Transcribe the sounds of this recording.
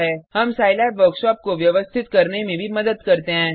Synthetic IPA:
ɦɛːhɐmsaːjlabʋəɾkʃɔːp̚koʋjɐʋəst̪ʰɪt̪kɐɾnemẽbʱimɐd̪əd̪kɐɾt̪eɦɛ̃ː

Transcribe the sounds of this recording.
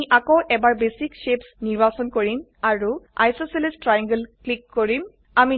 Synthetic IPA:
iʔakɔwʔɛbaɹbesikʃepsniɹbasɔnkoɹim | aɹuʔa̰jsoselistɹajãŋɡəlklikːoɹim | ami

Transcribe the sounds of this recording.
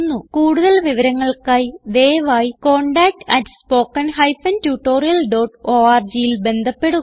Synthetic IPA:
nːukuːɽuðɐlʋiʋɐɾɐŋːɐɭkaːjd̪e̞ːʋaːjiko̞ːɳɖaːk̚ʈɐtːɨ̥spo̞ːkːɐnhɐjfɐntuːʈːo̞ːrijɐlɖo̞ːʈoːaːrd͡ʑijilbe̞nd̪ʱɐpːe̞ɽu

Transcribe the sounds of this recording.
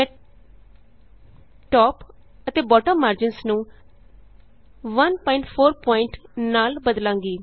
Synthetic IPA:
mɛː | ʈɔːpət̪eːbɔːʈəmːaːɾd͡ʒɪnsnũː | ʋənpɔːɪɳʈpʰoːɾpɔːɪɳʈnaːlbəd̪lãːŋɡiː

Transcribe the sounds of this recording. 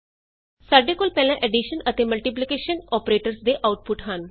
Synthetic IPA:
saɖekoːlpɛlãʔeɖiɕənət̪eməlʈip̬likeɕənɔpɾeʈəɾsd̪eʔawʈ̚puʈɦan

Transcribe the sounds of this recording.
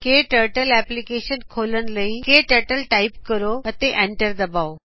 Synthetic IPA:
keʈəɾʈəlɛplikeɕənkʰoːlənləĩkeʈəɾʈəlʈaipkəɾoɐt̪eʔẽɳʈəɾd̪ɐbao

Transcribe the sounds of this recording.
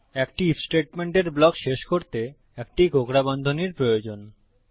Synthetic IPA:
ɛkʈiifsʈeʈ̚meɳʈeɾblɔkʃeʃkoɾt̪e | ɛk̚ʈiɡʱokɾabɔnd̪ʱoniɾpɾojod͡ʑon

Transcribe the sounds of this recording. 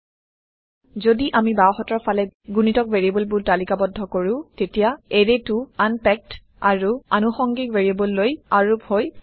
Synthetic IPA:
zodiʔamibawxɔtɔɹpʰalɛɡunitɔkveɹiebɔlbʊtalikabɔdʱːɔkoɹʊ̃tetijaeɹetʊanpɛk̚t | aɹua̰nuxɔŋɡikveɹiebɔlːojaɹuphoj

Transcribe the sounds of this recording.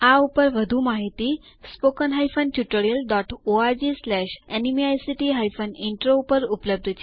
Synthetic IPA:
aupəɾʋəd̪ʱuːmaɦit̪iː | spokənɦajfənt͡ɕuʈəɽiəlɖɔʈoad͡ʑislæɕɛnimiajsiʈiɦajfəniɳʈɾoupəɾupləb̚d̪ʱət͡ɕi

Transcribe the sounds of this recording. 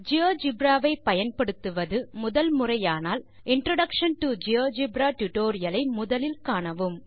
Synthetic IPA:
d͡ʒɪoːd͡ʒɪbɾaːʋɐɪpɐjɐnpɐɽɯt̪ːɯʋɐðɯmʊðɐlmʊrɐjaːnaːl | ɪɳɖɾɐɽɐkʂɐnʈud͡ʒɪjoːd͡ʒɪbɾaːʈʊʈoːɾɪjɐlɐɪmʊðɐlɪlkaːɳɐʋɯm

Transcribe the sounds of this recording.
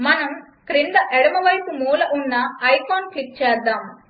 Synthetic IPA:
mɐnɐm | kɾind̪ɐʔɛɽɐmɐʋɐjpumuːlɐʔunːɐɐjpʰoːnkiʈ̚t͡ʃɛːɾd̪aːm

